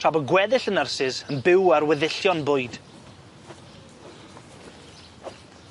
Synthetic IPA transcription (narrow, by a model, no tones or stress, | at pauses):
rʰabɔɡwɛðɪɬənərsɪzənbɪwarwɛðɪɬjɔnbʊɨd̥